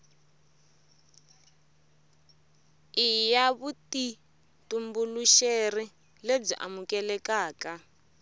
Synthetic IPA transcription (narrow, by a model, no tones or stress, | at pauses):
ijaβuti | tumbuluʃeri | leb͡ʐḭʔa̰mukɛlɛkaːka